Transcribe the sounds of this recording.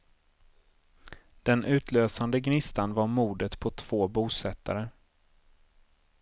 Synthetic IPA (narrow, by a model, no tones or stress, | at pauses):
d̪̥ɛnʔʉ̟ːt̪ʰløːsand̪əɡnɪst̪anvaɾmuːd̪ət̪pʰɔt̪ʰv̥oːbuːsɛt̪ːa̰ɾə